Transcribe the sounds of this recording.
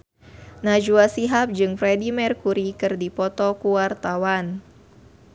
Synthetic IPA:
nad͡ʒuasiɦap̚d͡ʒɨŋfɾɛdimɛrkuɾikɨrdipɔt̪ɔkuwart̪awan

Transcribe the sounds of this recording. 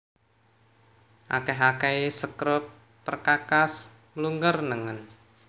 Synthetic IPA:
ʔa̰kɛɦakɛesəkɾʊt̪̚ | pərkakas | məluŋɡərnəŋən

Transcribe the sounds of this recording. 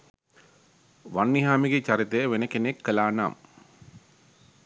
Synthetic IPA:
ʋanːiɦaːmiɡet͡ʃaɾit̪əjəʋenəkenekʰːəlaːna̰ːm

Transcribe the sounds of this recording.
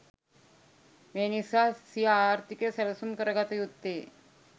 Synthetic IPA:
meñisasiaɾt̪ikesəlsuːnkəɾɡat̪əjud̪e

